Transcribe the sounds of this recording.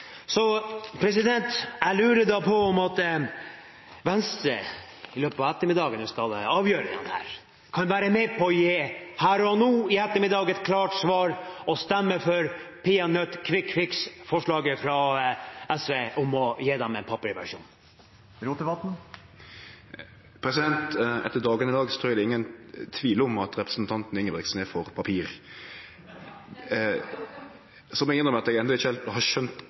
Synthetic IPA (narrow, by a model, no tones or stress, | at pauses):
sɔpʰɾɛs̬ɪd̪ɛnt̪ælʉːɾəd̪ɑpʰɔɔmɑt̪ | ʋɛnst̪ɾə̰ | ɪløːpət̪ɑʋɛt̪ːəɾmɪd̪ɑːɡənʋɪskɑlɑːʋjøːɾədɛ̰nhæ̰ːɾ | kʰɑnʋæːɾəmɛpʰɔɔjeːhæːɾɔnuːɪɛt̪ːəɾmɪd̪ɑːɡɛt̪kʰlɑːʈsʋɑːɾɔst̪ɛmːəfɔɾpʰɪːɑnœt̪kʰʋɪkʰːʋɪksfɔʂɭɑːɡəfɾɑ | ɛsʋeːʔɔmɔjeːd̪ɛmɛnpʰɑpəɾɪʋæ̰ʂṵːn | ɾuːt̪ɪbɑt̪n̩ | pʰɾɛsɪd̪ɛnt̪ɛ̰t̪ːəd̪ɑːɡənɪd̪ɑːɡst̪ʰɔːd̪ɛɪŋːənt̪ʰʋiːləɔmɑt̪ɾɛpɾəsnt̪ʰɑnt̪n̩ɪŋːəʋɛksneːfɔɾpʰɑpʰiːɾ | sɔmɛɡɪnəmɛɑt̪ɛɡɛnd̪ɔɪçəlhɑʃœnt̪